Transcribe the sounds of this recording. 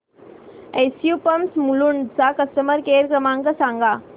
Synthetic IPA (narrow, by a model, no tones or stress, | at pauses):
ejsjupɐmsmuluɳt͡sakɐst̪əməɾkeːɾkɾəmãːŋkəsãːŋɡaː